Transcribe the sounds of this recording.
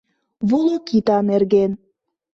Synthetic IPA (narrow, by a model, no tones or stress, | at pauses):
βulokit̪ɑnerɣen